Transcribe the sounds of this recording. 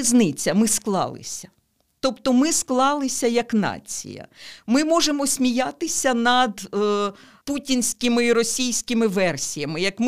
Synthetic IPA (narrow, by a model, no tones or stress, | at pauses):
znɪt͡sʲɐmɪsklˠɑ̰lˠɪ̰sʲɐ̥ | t̪ɔpt̪ɔmɪsklˠɑlˠɪsʲɐjɐknɑ̰t͡sʲḭjɐ̰mɪmɔʒemɔsʲmʲijat̪ɪsʲɐnɐd̪ | putʲinʲsʲkʲɪmɪiɾɔsʲijsʲkʲɪmɪʋɛrsʲijɐmɪjɐkm